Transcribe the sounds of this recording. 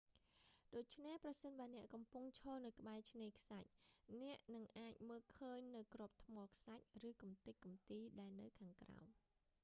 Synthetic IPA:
ɗoːc̚t͡ɕʰnehprɑsənɓaənɛ̆əʔkɑmpuŋt͡ɕʰɔːlnɨwkə̆ɓaɛt͡ɕʰneːkʰsac̚nɛ̆əʔnɨŋʔaːc̚məːlkʰəːɲnɨwkrŏəp̚t̪ʰmɔːkʰsac̚rɨːkumt̪ɨc̚kːumt̪iːɗaɛlnɨwkʰaːŋkra̰ɔm

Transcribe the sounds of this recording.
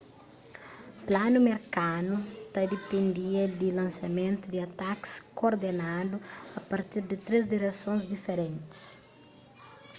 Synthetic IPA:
planumeɾkanut̪ɐd̪epẽnd̪iɐd̪ɪlɐ̃nsɐmẽnt̪ud̪ɪat̪akskoɾd̪enad̪uɐpaɾt̪iɾd̪ɪt̪ɾezd̪iɾesõzd̪ifeɾẽnt̪i̥s

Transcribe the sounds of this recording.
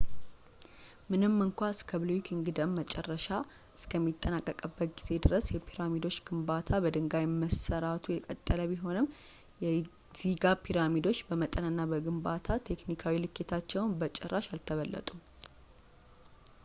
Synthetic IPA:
mɨnɨmːɨŋkʷaɨskʰəblukʰiŋɡɨd̪əmːət͡ʃʼɛrːəʃa | ʔɨskʰəmːit̪ʼːənakʼːəkʼəbːət̪̚ɡize̞d̪ɨɾəsjɛpʰiɾamid̪o̞t͡ʃːɡ̥ɨmbat̪ʰabəd̪ɨŋɡajməsəɾat̪ʰujɛkʼət̪ʼːələβiɦo̞nɨm | jɛ | z̥iɡapʰiɾamid̪o̞t͡ʃːbəmət̪ʼənɨnːabəɡɨmbat̪ʰat̪ʰe̞knikʰawilɨkʰːet̪ʰat͡ʃːɛwnbət͡ʃʼɛrːaʃalt̪ʰəβəlːə̰t̪ʼu

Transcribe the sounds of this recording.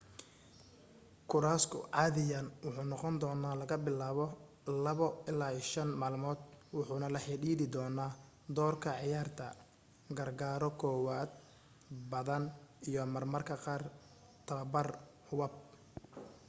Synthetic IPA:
kʰʊɾaːskʰʊ̰ʕɑːðɪjaːnwʊħuːnɔqɔnd̪ɔːnaːlɐɣɐbɪlaːβɔ | lɐβɔɪlaːiːʃɐnmaːlmɔːd̪wʊħuːnɐlɐħiɖiːðɪd̪ɔːnaː | d̪ɔːrkʰɐʕɪjaːrt̪ʰɐ̰ | ɡɐrɡaːɾɔkʰɔːwaːd̪̚ | bɐðɐnijɔmɐrmɐrkʰɐqɑːr | t̪ʰɐβɐbɐrhʊwɐb̚

